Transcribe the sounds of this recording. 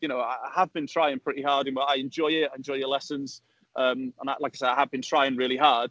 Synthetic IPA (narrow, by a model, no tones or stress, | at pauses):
jɨnoʊaahəvbĩntʰɹ̥aɪɪ̃ŋpʰɹ̥ɪtihɑɹdɪ̃nwɛaɪɛ̃nd͡ʒɔɪɪtaɪɨ̃nd͡ʒɔɪjəlɛsə̃nz̥ | əːmə̃nalaɪkʰaɪsɛdaɪhəvbɨ̃ntʰɹ̥aɪɪ̃ŋɹɪːlˠiɦɑɹd̥